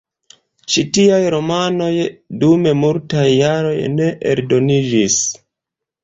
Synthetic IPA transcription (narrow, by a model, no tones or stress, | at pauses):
t͡ʃitiajɾo̞mano̞jdume̞multajːaɾo̞jne̞ʔḛɾdo̞nid͡ʒis